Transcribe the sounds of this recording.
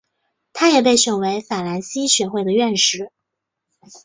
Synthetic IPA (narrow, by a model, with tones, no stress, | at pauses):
t̪ʰa˥jɛ˨˩p̬e˥˩ɪʂə˨˩ŋwe˧˥ɪfa˨˩la˧˥nɕi˥ɕɥɛ˧˥xwe˥˩ɪd̪ə˩ɥɛ˥˧nʂɻ̩˧˩˥